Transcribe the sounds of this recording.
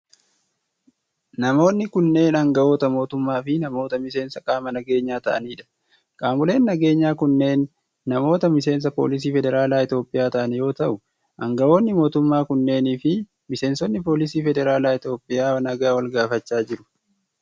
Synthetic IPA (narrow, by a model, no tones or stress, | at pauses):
nɐmo̞ːnːɪkʊnːe̞ːnɐŋɡɐʔo̞ːt̪ɐmo̞ːt̪ʊmːaːfɪnɐmo̞ːt̪ɐmɪse̞ːnsɐkʼaːmɐnɐɡe̞ːɲːaːt̪ɐʔɐ̰niːᶑɐ̥ | kʼaːmʊle̞ːnːɐɡe̞ːɲːaːkʊnːe̞ːnː | ɐmo̞ːt̪ɐmɪs̬e̞ːns̬ɐpo̞̰ːlɪs̬iːfɛd̪ɛɾaːlaːɪt̪o̞ːpʼɪjaːt̪ɐʔɐnjo̞ːt̪ɐʔʊ | ʔɐŋɡɐʔo̞ːnːɪmo̞ːt̪ʊmːaːkʊnːe̞ːniːfɪ | mɪse̞ːnsɔnːɪpo̞ːlɪsiːfɛd̪ɛɾaːlaːɪt̪jo̞ːpʼːɪjaːnɐɡaːwɐlɡaːfɐt͡ʃːaːd͡ʒɪɾʊ̥